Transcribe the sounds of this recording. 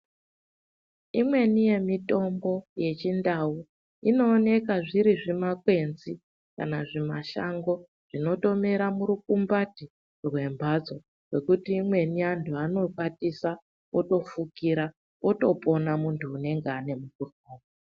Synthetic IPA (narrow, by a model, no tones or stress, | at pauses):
imwe̞nije̞mito̞mbo̞je̞t͡ʃindau | ino̞ːne̞kaʐiɾiʐimakwe̞nzi | ka̰naʐimaʃa̰ŋɡo̞ | ʐ̥ino̞to̞me̞ɾamuɾukumbati | rwe̞mbʱad͡zo̞ | re̞kutiːmwe̞niantʰuano̞kwatisa | oto̞fukiɾa | oto̞po̞namuntʰuːne̞ŋɡeane̞mukurukoːma